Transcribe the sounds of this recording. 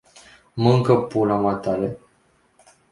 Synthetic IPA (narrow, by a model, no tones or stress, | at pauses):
məŋkəpulamat̪ale